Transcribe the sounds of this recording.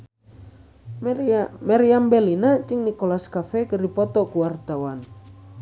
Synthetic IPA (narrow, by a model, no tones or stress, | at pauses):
maɾiambɛlinat͡ʃiŋnikɔlaskafɛkəɾipɔt̪ɔkuwart̪awan